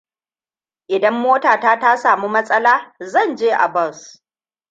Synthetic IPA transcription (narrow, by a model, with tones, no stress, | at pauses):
ʔɪ˨dɐ˦mːoː˦taː˨taː˦ta˦saː˨mu˦mɐ˦sʼɐ˦laː˦zɐ˦˨nd͡ʒeː˦ʔa̰˨bɔ˦˨s